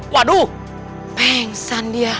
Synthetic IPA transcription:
kwadu | pɛŋsandia

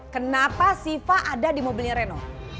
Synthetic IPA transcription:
kənapasifaʔadadimobilɲaɾɛno

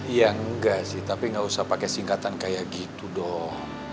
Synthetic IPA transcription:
jaŋəɡasɪht̪apiŋɡausahpakɛsiŋkat̪ankajaʔɡit̪udɔh

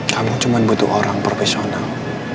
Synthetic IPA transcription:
kamut͡ʃumanbut̪ʊʔoɾaŋpɾofesional

